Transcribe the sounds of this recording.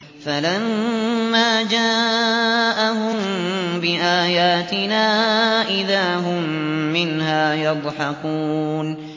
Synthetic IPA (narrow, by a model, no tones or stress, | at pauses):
falamːaːd͡ʒaː | ʔaɦʊmbɪʔaːjaːt̪ɪnaːʔɪðaːɦʊmːɪnɦaːjɑd̪ˤħɑkuːn